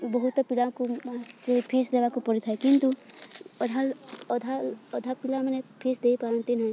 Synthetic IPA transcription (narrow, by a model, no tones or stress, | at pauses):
bɔɦut̪pilãkuat͡ʃepʰisd̪ebakupɔɾit̪ʰaekint̪uɔd̪ʱalɔd̪ʱaɔd̪ʱapilãmenepʰisd̪eipaə̃nt̪inɦə̃j